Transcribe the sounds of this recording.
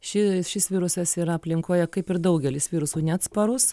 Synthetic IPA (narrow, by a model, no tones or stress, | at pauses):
ʃʲɪʃʲɪsʋʲiːɾʊsɐsiːɾɐɐpʲlʲɪŋkoːjɛkɐɪpɪɾd̪ɐʊɡʲɛlʲɪsʋʲiːɾʊsuːnʲæt̪spɐɾʊs